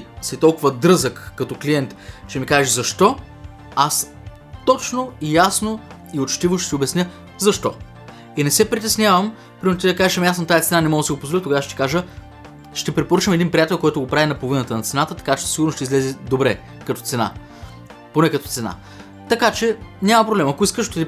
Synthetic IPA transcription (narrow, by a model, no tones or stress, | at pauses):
sɛt̪ɔlˠkʊvəd̪ɾɤzəkːɐt̪ɔklijɛnt̪t͡ʃɛmikaʒɛzɐʃt̪ɔ | as | t̪ɔt͡ʃnoijasno | iot͡ʃt̪ivoʃt̪ɛt̪ʲiobɛsnʲjə | zɐʃt̪ɔ | inɛsɛpɾit̪ɛsnʲjavɐm | pɾʲiɾt̪ʲjad̪ɐkaʒʃmjasnɐt̪ajit̪sɛnanɛmɔɡ̪siɡopozvolʲit̪okɡavʃt̪i̥kaʒə | ʃt̪ɛpɾɛpoɾɤt͡ʃəmɛd̪inpɾʲijat̪ɛlˠkɔjt̪ʊɡopɾavinɐpovinət̪ənɐt̪sɛnat̪ət̪ɐ̥kat͡ʃɛ̥ssiɡʊɾnosʃt̪ɛizlɛzɛd̪obɾɛ | kɐt̪ɔ̥t̪sɛna̰ | ponɛkɐt̪ɔt̪sɛna̰ | t̪ɐkat͡ʃɛnʲamɐpɾoblɛmɐkʊiskəʃot̪id̪ʲi